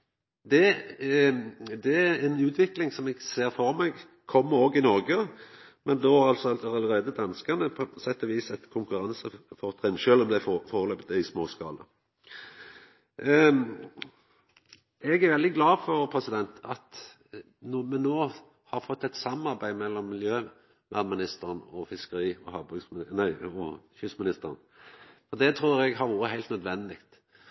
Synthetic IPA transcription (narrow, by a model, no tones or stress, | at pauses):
d̪ɛ | d̪ɛæɛnʉːt̪ʰʋɪklɪŋsɔmɛɡseːʁfɔʁmɛɡ | kʰɔmːəɾoːɡɪnɔʁɡə | mɛnd̪ɛhɑɾɑlt̪sɔɑlɑləʁeːd̪əd̪ɑnskənəpʰɔsɛt̪ːɔʋiːsɛt̪kʰʊŋkʉɾɑnsəfɔʁt̪ʰʁɪnʃøːlɔmd̪æfoːʁəløːpət̪əɪsmoːskɑ̰ːlə | ɛɡæɾʋɛld̪ɪɡlɑːfɔʁpʰʁɛsɪd̪ɛnt̪ɑt̪ | nmɛnoː | hɑʁfɔt̪ːæɛt̪sɑmɑʁbæɪmɛlːɔmːɪljøː | ʋæd̪mɪnɪst̪əʁənɔfɪskəɾiːɔhɑbœɡsnæɪɔçʏsmɪnɪst̪əʁən | fɔʁd̪ɛt̪ʰʁuːɾɛɡɦɑɾjuːɾəɦæɪlt̪nœd̪ʋɛnd̪ɪkt̪